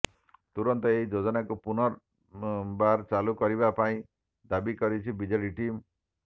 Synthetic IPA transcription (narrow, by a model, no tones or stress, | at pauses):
t̪uɾɔnt̪ɔeid͡ʒod͡ʒɔnakupunɔɾ | baɾt͡ʃalukɔɾibapaĩ | d̪abikɔɾit͡ʃʰibid͡ʒɔliʈim